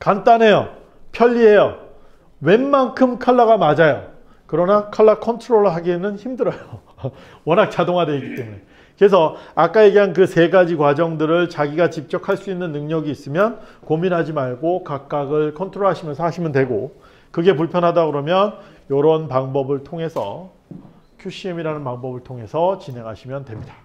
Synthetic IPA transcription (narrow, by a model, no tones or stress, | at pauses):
kant͈anɦe̞jo̰ | pʰjʌʎːiɦe̞jʌ | we̞nmankʰɯmkʰaɭːaɣamad͡ʑajo | kɯɾʌnakʰaɭːakʰʌntʰɯɾoɾɦaɡenɯnçimdɯɾʌjo | wʌnɦak̚t͡ɕ͈adoŋadwe̞iɡit͈e̞mune̞ | kɯɾes̬ʰʌak͈aje̞ɡeɦank̬ɯse̞ɡad͡ʑikwad͡ʑʌŋdɯɾɯɭt͡ɕaɡiɡat͡ɕip̚t͡ɕ͈ʌkʰaɭs͈uinːɯnːɯŋɲʌɡiːs͈ɯmjʌnkominɦad͡ʑimaɭɡokak̚k͈aɡɯɭkʰʌntʰɾoɭɦaɕʰimjʌnsʰʌhaɕʰimjʌntwe̞ɡo | kɯɡe̞puɭpʰjʌnɦadaɡɯɾʌmjʌn | jʌɾʌnpaŋbʌbɯɭtʰoŋe̞sʰʌ̰ | kʰjuɕ͈ʰimiɾanɯnpaŋbʌbɯɭtʰoŋɦe̞sʰʌt͡ɕinɦe̞ŋɦaɕʰimjʌntwe̞mɲid̥ḁ